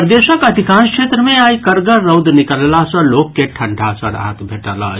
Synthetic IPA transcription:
pɾd̪eʃəkəd̪ʱikãnskʃʰet̪ɾəmẽaːjkəɾɡəɾəwd̪nikəllasə̃lokːeʈʰəɳɖʱasə̃ɾa̰ɦət̪bʱeʈəla̰

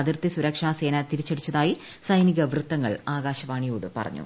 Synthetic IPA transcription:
ɐðirt̪isuɾɐkʂaːse̞ːnɐt̪iɾit͡ɕːɐɽit͡ɕːɐðaːji | sɐjniɣɐʋrɨt̪ːɐŋːɐ̰ɭaːɡaːɕɐʋaːɳijoːɽɨpɐ̰rɐ̰ɲːṵ

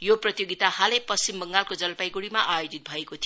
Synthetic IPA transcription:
joprʌt̪joɡit̪ahalepʌst͡simbʌŋɡalkod͡zʌlpajɡuɽimaʔajod͡zit̪̚bʱʌekot̪ʰi

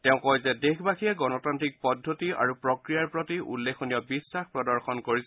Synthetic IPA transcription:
tɛʊ̃kɔjzɛdexʰbakijɛɡɔnɔtantɹik̚pɔdʱːotia̰ɹupɹɔkɹijaɹpɹotiʔṵlːexʰonijɔbisːaxpɹɔdɔɹxɔnkoɹis

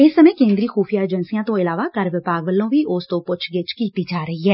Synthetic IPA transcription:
ɪsːəmẽːkẽːnd̪ɾiːxoːpʰijaːed͡ʒənsijãːt̪õːɪlaːʋaːkəɾʋɪpaːɡʋəlːõːʋiːʔʊst̪õːpʊt͡ʃʰɡɪt͡ʃkiːt̪iːd͡ʒaːɾəɦiːɦɛː

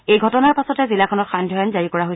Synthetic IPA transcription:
ejɡʱɔtɔnaɹpasɔtɛzilakʰɔnɔtxandʱɔjɔnzaɹikɔɹaɦoj

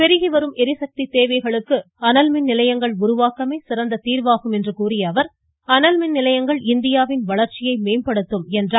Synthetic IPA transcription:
pɛɾɪɣiʋɐɾɯmɛɾɪsɐk̚t̪it̪eːʋɐɪɣɐɭɯkːɯ | ɐnɐlmɪnnɪlɐjɐŋɡɐɭʊɾʊʋaːkɐmeːsɪɾɐnd̪ɐt̪iːɾʋaːɣɯmɛndrɯkuːrɪjɐːʋɐɾ | ɐnɐlmɪnnɪlɐjɐŋɡɐɭɪnd̪ɪjaːʋɪnʋɐɭɐɾt͡ʃɪjɐɪmeːmpɐɽɯt̪ːɯmɛndraː

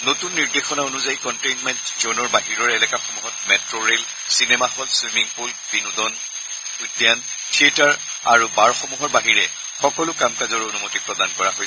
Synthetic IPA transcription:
notunːiɹdexɔnaonuzajikɔntejnmɛntzɔnɔɹbaɦiɹɔɹɛlɛkaxɔmuɦɔt̚mɛtɹoɹel | sinɛmaxɔlswimiŋpolbinudɔn | udjan | tʰietaɹ | a̰ɹubaɹxɔmuɦɔɹbaɦiɹɛ | xɔkɔlʊkamkazɔɹonumotipɹɔdankɔɹaɦojɛ

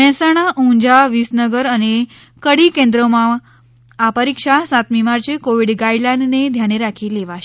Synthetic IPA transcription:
ɛ̃saɽ̃aʔũɲd͡ʑaʋisnəɡəɾane | kəɽikẽnd̪ɾomaː | pəɾikʂasat̪mimaɾt͡ɕekoʋiɽɡaiɖlãɳned̪ʱjaɽ̃eɾakʰiːleʋaɕ

